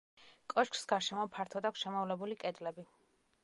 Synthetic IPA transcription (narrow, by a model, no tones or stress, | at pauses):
kʼɔʃkʰsɡaɾʃɛmɔpʰaɾt̪ʰɔd̪akʷsʃɛmɔvlɛbulikʼɛd̪lɛbi